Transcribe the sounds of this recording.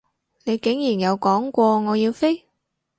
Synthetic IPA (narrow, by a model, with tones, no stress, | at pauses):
le˨˧jke˨˥˦ŋɲi˨˩nja˨˧˩wkɔː˨˥nkʷɔ˧ŋɔː˨˧ji˧wfi˦˥